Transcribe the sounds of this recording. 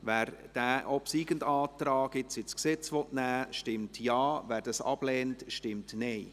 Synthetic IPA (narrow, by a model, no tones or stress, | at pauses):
ʋæːɾd̥æːʔɔpsiːɡ̥əndɑːtɾaɑːɡɪt͡sɪt͡sksɛt͡sʋɔtnæːʃtɪmtjɑːvæːɾd̥ɑsɑ̰b̥lɛːntʃtɪmtnɛɪ